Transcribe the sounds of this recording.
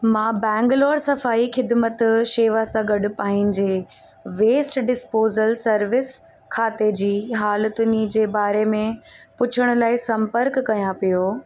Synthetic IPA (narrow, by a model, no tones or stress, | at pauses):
mãːbɛ̃ːŋɡlɔːɾsɐfaːixɪd̪mət̪ʃeːʋasãɡɐɖʊ̆paːɦɪnɪ̆d͡ʑeː | ʋeːsʈɖɪspoːzəlsɐɾʋɪs | kʰaːt̪ed͡ʑiːɦaːlət̪ʊnid͡ʑeːbaːɾemẽpʊt͡ɕʰʊɽ̃ʊ̆laːɪsɐ̃mpəɾkːɐjãpijoː